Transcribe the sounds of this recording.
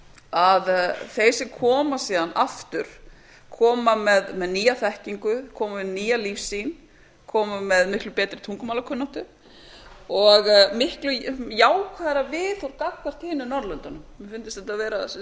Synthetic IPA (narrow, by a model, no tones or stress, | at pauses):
aðθejsɪmkʰɔːmasiːðanaft̪ʏɾ̥ | kʰɔːmamɛðmɛðniːjaθɛhciŋkʏkʰɔːmaɪniːjalifsin | kʰɔːmamɛðmɪhklʏpɛːt̪ɾɪt̪ʰuŋkʏmaːlakʰʏnːaht̪ʏ | ɔɣmɪhklʏjaːwkʰvaːɾavɪθawɾkakvar̥t̪hɪːnʏnɔɾlʏnt̪anʏmmɪfɪnt̪ɪst̪ɛht̪avɛːɾa